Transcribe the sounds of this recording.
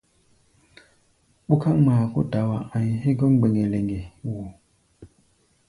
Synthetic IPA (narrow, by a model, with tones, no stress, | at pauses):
ɓu˦ka˦ŋma˨kṵ˦da˨wa˨a˨ɲ˨hi˦ɡɔ˦ŋɡ͡be˨ŋe˨le˨ŋɡe˨wuː˨